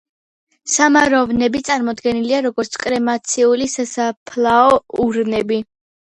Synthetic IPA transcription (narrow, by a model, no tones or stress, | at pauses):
samaɾɔvnɛbit̪sʼaɾmɔd̪ɡɛniliaɾɔɡɔɾt̪sʰkʼɾɛmat̪sʰiulisasapʰlˠaɔuɾnɛbi